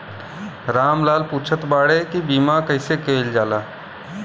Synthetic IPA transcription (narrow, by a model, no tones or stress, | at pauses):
ɾaːmlaːlpuːt͡ʃʰət̪baːɽekibiːmakəɪsekeːld͡ʒaːlaː